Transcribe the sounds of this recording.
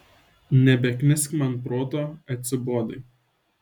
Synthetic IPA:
nʲɛbʲɛkʲnʲɪsʲkʲmɐnpɾoːt̪oːɐt̪ʲsʲɪboːd̪ɐɪ

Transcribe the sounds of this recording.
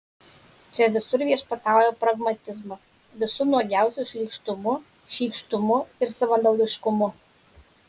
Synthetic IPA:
t͡ʃʲɛʋʲɪsʊɾʋʲiɛʃpɐt̪ɑˑʊjoːpɾɐɡmɐt̪ʲɪzmɐs | ʋʲɪsʊnɔɡʲæˑʊsʲuʃʲlʲiːˑkʃt̪ʊmʊ | ʃʲiːkʃt̪ʊmʊɪɾsɐʋɐnd̪ɐʊlʲɪʃkʊmʊ

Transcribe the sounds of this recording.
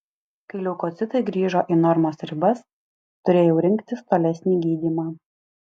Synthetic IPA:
kɐɪlʲɛʊkoːt̪sʲɪt̪ɐɪɡɾʲiːʒoːʔinɔɾmosɾʲɪbɐs | t̪ʊɾʲeːjɛʊɾʲɪŋʲkt̪ʲɪst̪oːlʲɛsʲnʲiːɡʲiːd̪ʲiːmaː

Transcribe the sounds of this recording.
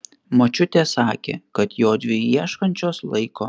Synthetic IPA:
mɐt͡ʃʲʊt̪ʲeːsɑːkʲḛːkɐt̪joːd̪ʲʋʲɪjiɛʃkɐnʲt͡ʃʲoːslˠɐɪkoː

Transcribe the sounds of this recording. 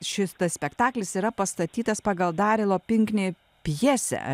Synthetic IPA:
ʃʲɪst̪ɐssʲpʲɛkt̪ɑːklʲɪsiːɾɐpɐst̪ɐt̪ʲiːt̪ɐspɑːɡɐlˠd̪ɑːɾʲɪlˠoːpʲɪŋʲknʲeː | pʲjiːsʲɛ̰

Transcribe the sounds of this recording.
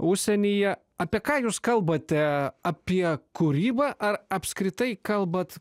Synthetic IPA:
ʊʃʲsʲɛnʲijɛ | ɐːpʲiɛkɑːjuːskɐlˠbɐt̪ʲɛɐpʲiɛkʊɾʲiːbɑːʔɐɾɐpʲskɾʲɪt̪ɐɪkɐlˠbɐt̪

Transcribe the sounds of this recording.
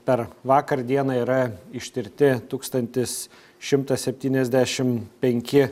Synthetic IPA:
pʲɛrʋɑːkɐrd̪ʲiɛnɑːiɾɐɪʃʲt̪ʲɪɾʲt̪ʲɪt̪uːkst̪ɐnʲt̪ʲɪs | ʃʲɪmt̪ɐsʲɛpʲt̪ʲiːnʲɛzʲd̪ʲæːʃʲɪmpʲɛŋʲkʲɪ

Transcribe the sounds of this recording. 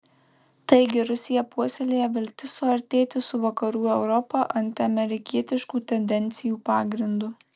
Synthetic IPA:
t̪ɐɪɡʲɪɾʊsʲɪjɛpuɔsʲelʲeːjɛʋʲɪlʲt̪ʲɪsʊɐɾʲt̪ʲeːt̪ʲɪsʊʋɐkɐɾuːɛʊɾɔpɐʔɐnʲt̪ʲɪɐmʲɛɾʲɪkʲiɛt̪ʲɪʃkuːt̪ʲɛnʲd̪ʲɛnʲˑt̪sʲɪjuːpɑːɡɾʲɪnd̪ʊ

